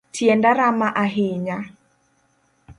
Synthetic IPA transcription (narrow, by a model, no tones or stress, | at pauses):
tjɛndaɾamaʔaɦɪɲa